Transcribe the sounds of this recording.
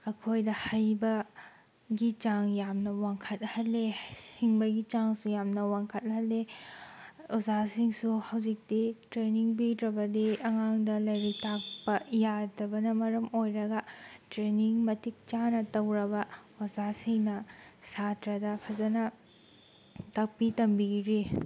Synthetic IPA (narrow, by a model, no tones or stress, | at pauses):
ɐkʰojdɐhajbɐ | ɡit͡ʃaŋjamnɐwaŋkʰɐt̚hɐlːehiŋbɐɡit͡ʃaŋsujamnɐwaŋkʰɐt̚hɐlːe | ozasiŋsuhɐwd͡ʒik̚ditɾeniŋbidɾɐbɐdiɐŋaŋdɐlɐjɾitak̚pɐjadɐbɐnɐmɐɾɐmojɾɐɡɐtɾeniŋmɐtik̚t͡ʃanɐtɐwɾɐbɐozasiŋnɐsatɾɐdɐpʰɐzɐnɐ | tak̚pitɐmbiɾi